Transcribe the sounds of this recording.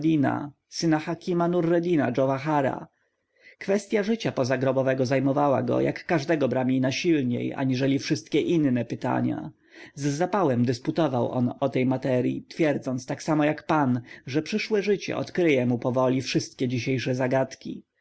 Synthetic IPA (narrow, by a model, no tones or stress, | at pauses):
d̪ʲina̰ | sɘnaxakʲimanurːɛd̪ʲina̰d͡ʐɔvaxaɾa̰ | kfɛst̪ʲjaʐɘt͡ɕapɔzaɡɾɔbɔvɛɡɔzajmɔvawa̰ɡɔ̰jʔa̰kːaʐd̪ɛɡɔbɾamʲinaɕilɲḛja̰ɲiʐɛlʲifʂɘst̪̚kʲɛʔinːɛpɘt̪a̰ɲa̰ | zːapawɛmd̪ɘsput̪ɔvawɔ̰nɔt̪ɛjmat̪ɛɾʲjḭt̪fʲjɛɾd̪zɔnt̪st̪aksamɔjakpanʐɛpʂɘʂwɛʐɘt͡ɕɛ̰ʔɔ̰t̪kɾɘjɛmupɔvɔlʲifʂɘst̪̚kʲɛd͡ʑiɕejʂɛzaɡat̪kʲḭ